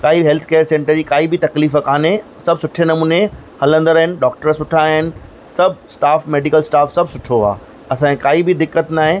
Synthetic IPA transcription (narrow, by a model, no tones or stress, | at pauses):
kaːiɦeːlt̪ʰkeːəɾsẽːɳʈəɾd͡ʑiːkaːibɪt̪ɐkliːfəkʰaːne | sɐbsʊʈʰenɐmuːne | hɐlə̃nd̪əɾɐɦɪnɪ̆ɖɔːk̚ʈəɾsʊʈʰaɦɪnɪ̆ | sɐbʱsʈaːfmeːɖikəlsʈaːfsɐbʱsʊʈʰoa̰ː | ɐsãkaːibɪd̪ɪkːət̪naːɦɪ̃